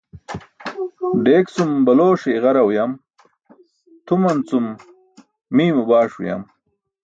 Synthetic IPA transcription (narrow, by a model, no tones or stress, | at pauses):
ɖeːkt͡sumbɐloːʂeːɣɐɾɐwjam | t̪ʰumɐnt͡sumː | iːmubaːʂwṵja̰m